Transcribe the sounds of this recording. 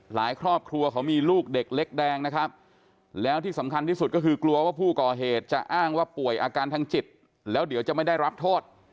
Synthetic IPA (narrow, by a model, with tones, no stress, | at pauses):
laː˩˦jkʰɾɔː˥˩p̚kʰɾu˧ɐkʰa˦˥wmiː˧luː˥˩k̚de˨˩k̚le˦˥k̚dɛː˧ŋna˦˥kʰɾa˦˥p̚ | lɛː˦˥wt̪ʰiː˥˩sa˩˦mkʰa˧nt̪iː˥˩su˨˩t̪̚kɔ˥˩kʰɯː˧klu˧ɐwaː˥˩pʰuː˥˩kɔː˨˩ɦeː˨˩t̪̚t͡ɕa˨˩ʔaː˥˩ŋwaː˥˩pu˨˩əjʔaː˧kaː˧nt̪ʰa˧˥ŋt͡ɕi˨˩t̪̚ | lɛː˦˥wdi˩˦wt͡ɕa˨˩ma˥˩jda˥˩jɾa˦˥p̚t̪ʰoː˥˩t̪̚